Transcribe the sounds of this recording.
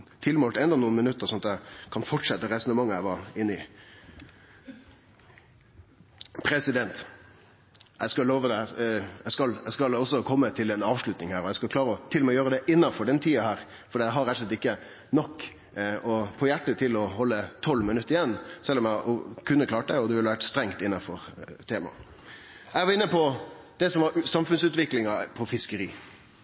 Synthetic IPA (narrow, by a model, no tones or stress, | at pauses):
t̪ʰɪlmoːlt̪ɛnd̪ɔnuːnmɪnʉt̪ːəɾsɔnɑt̪æɪkʰɑnfɔʈʂɛt̪ːəɾɛsʊnəmɑŋːəæɪʋɑɾɪnːɪ | pʰɾɛsɪd̪ɛnt̪ | æɪskɑloːʋəd̪ɛjæskɑlæɪskɑlɔsːɔkʰɔmːət̪ʰɪlɛnɑːʋʂɭʉt̪nɪŋhæːɾɔjæɪskɑlkʰlɑːɾəɔt̪ʰɪlɔmɛjøːɾəd̪ɛʔɪnːɑfɔɖɛnt̪ʰiːɑhæːɾ | fɔɾɖiːdæɦɑɾɛt̪ːəslɛt̪ɪkːə | nɔkː | ɔpʰɔjæʈːət̪ʰɪlɔhɔlːət̪ʰɔlːmɪnʉt̪ːəɾɪjɛnːsɛlːɔmjæɔkʰʉnːəkʰlɑːʈəd̪ɛɔd̪ɛʋɪlːəʋæʈst̪ɾɛŋt̪ɪnːɑfɔɾt̪ʰeːmɑ̰ | æʋɑɾɪnːəpʰɔd̪̥ɛsɔmʋɑɾsɑmfʉnsʉːt̪ʋɪklɪŋɑpʰɔfɪskəɾiː